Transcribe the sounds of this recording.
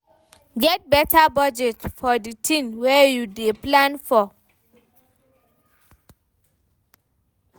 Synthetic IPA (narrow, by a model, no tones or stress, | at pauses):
ɡɛt̚bɛtʰabad͡ʒɛtfɔditʰĩnwɛjudeplãnfɔ